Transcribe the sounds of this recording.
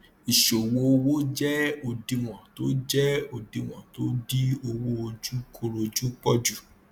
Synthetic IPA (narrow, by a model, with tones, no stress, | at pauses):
i˨ʃo˨wo˧wo˦d͡ʒɛ˦o˨dĩ˨˧w̃ɔ̃˨to˦d͡ʒɛ˦o˨dĩ˧w̃ɔ̰̃˨to˦di˦o˧wo˦o˧d͡ʒu˦kʰo˦ɾo˧d͡ʒu˦k͡pɔ˦d͡ʒu˦˨